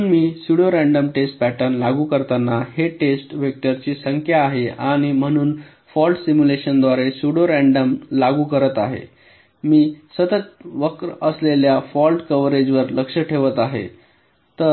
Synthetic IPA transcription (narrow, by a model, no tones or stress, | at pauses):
nmiːsuɽjoɾæ̃ɳɖəmʈesʈ̚pæʈəɾnlaɡuːkəɾt̪anːaheʈesʈʋek̚ʈ̪əɾt͡ɕiːsəŋkʰjaːɦeaɽ̃im̤əɽ̃uːn | fɔlʈsimjuleɕənd̪ʋaɾesuɽjoɾæɳɖəmlaɡuːkəɾət̪aɦḛ | miːsət̪ət̪ʋəkɾəsleljafɔlʈkəʋɾed͡ʑʋəɾləkʂəʈʰeʋət̪aɦḛ | t̪ə